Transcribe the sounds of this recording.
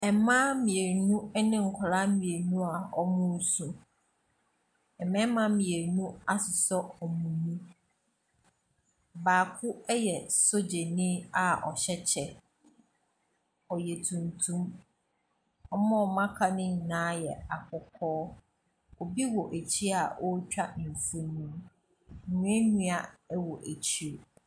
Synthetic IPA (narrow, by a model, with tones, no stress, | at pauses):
ɛ˨mã˦mĩ˨e˨nũ˦nɪ̃˦ŋ̩˨kʰʊ˨ɾa˦mĩ˨e˨nũ˦a˨ɔ˦mʊ̃˦˨sũ˨ | ɛ˨mɛ̃˦mã˦mĩ˨e˨nũ˦a˦sʊ˨sɔ˦ɔ˨mũ˨nũ˦ | baː˨kʰʊ˦ɛ˦jɛ˨so˦d͡ʑe˨nɪ̃˦a˨ɔ̰˨ɕɛ˦t͡ɕʰɛ˨ | ɔ˨je˨tʰũ˨ntʰũ˦m | ɔ˦mɔ̃˦˨mã˦kʰa˨nɪ̃˦˨nãː˦jɛ˨a˨kʰɔ˨kʰɔː˦ | ɔ˨bi˦wɔ˨ʔæ˨t͡ɕʰi˦a˨ʔɔ˦t͡ɕᶣa˦ñ˨fu˦nũ˦˨ | nũ˨˦e˦ɲũ˦a˨ɛ˦wɔ˨ʔæ˨t͡ɕʰi˦o˨